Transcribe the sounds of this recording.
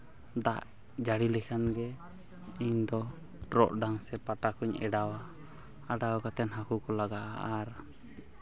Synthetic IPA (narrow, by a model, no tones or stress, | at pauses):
d̪aʔ | d͡ʒaɽilɛkʰanɡɛ | iɲd̪ɔ | ʈɾɔ̰ʔɖaŋsɛpaʈakuɲɛ̰ɖawaː | ɖawakat̪ɛnɦakukɔlaɡaʔaaɾ